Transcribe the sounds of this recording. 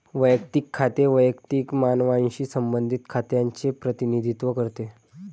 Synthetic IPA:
ʋəjəkt̪iːkʰːat̪eʋəjəkt̪ikmanʋãɕiːsəmbənd̪ʱit̪kʰat̪jaɲt͡ɕepɾət̪inid̪ʱit̪ʋəkəɾt̪e

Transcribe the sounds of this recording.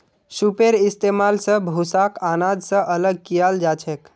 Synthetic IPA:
supeɾɪst̪emalsə̃bʱusakanad̪ʱsə̃ʔələɡ̚kijald͡ʒat͡ʃʰek

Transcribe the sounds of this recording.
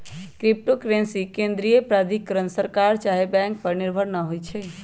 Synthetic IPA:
kɾip̚ʈokɾẽnsikẽnd̪ɾijəpɾad̪ʱikːəɾənsəɾkaɾt͡ʃaɦebɛ̃ŋk̚pəɾniɾbʱəɾnəɦojt͡ʃʰɛ

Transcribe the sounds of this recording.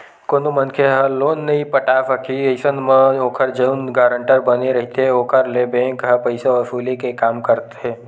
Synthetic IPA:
koːnomɐnkʰeɦɐloːnːɐɦĩpəʈaːfəkʰiɐɪsənmə̃oːkʰəɾd͡ʒəʊnɡaːɾə̃ɳʈəɾbɐneɾɐɦt̪eɦɛoːkʰəɾlebɛ̃ːŋkɦɐpɐɪseɔːɾfuːlekekaːmkɐɾt̪eɦɛː

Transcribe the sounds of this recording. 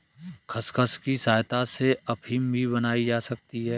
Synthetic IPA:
kʰɐskʰəskisaːjt̪aseɐpʰiːmbʱiβɐnaːid͡ʒaːsɐk̚t̪iɦɛː

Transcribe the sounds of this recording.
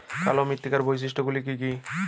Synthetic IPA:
ka̰lomit̪ːikaɾbojs̬iʃʈoɡulikiki

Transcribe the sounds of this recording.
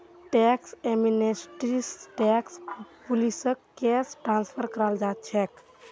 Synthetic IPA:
ʈɛkseminesʈɾisʈɛkspulisəkːesʈɾãnspʰəɾkəɾald͡ʒat̪̚t͡ʃʰɛk

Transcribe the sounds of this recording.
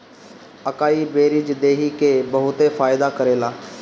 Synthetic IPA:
əkaːibeːɾid͡ʒd̪eːɦikeːbəɦʊt̪efaːɪd̪akəɾeːlaː

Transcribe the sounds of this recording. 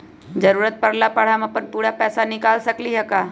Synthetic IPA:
d͡ʒəɾuːɾət̪̚pɐɾlapəɽ̤amẽpəɾpuːɽapɛːsanɪkaːlsɐkliɦɛkaː

